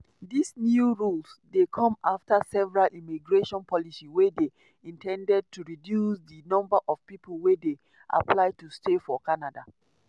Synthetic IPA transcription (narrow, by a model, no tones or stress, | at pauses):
disnjuɹulsdekʰɔ̃maftasɛvɛɹalʔimiɡɹeʃɔ̃npʰɔlisiwede | ĩntʰɛ̃ndɛd̚tuɹidjusdinɔ̃mbaʔɔv̥pipəlwede | ʔa̰pʰlaɪtustefɔkanada̰